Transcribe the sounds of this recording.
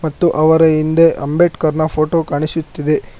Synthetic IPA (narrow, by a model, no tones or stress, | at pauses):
mɐt̪ːuʔɐʋɐɾɐind̪eʔɐmbeʈkɐɾnɐpʰoːʈoːkɐɳisut̪ːid̪e̞